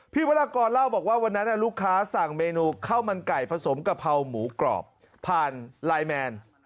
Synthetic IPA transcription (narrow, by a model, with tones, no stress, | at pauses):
pʰiː˥˩wa˧˥laː˧kɔː˧nla˥˩wbɔː˨˩k̚waː˥˩wa˧nːa˦˥nːa˥˩luː˥˩kʰːaː˦˥sa˨˩ŋmeː˧nuː˧kʰa˥˩wma˧nka˨˩jpʰa˧so˩˦mka˨˩pʰa˧wmuː˩˦klɔ̰ː˨˩p̚ʰː | aː˧nlaː˧jmɛː˧n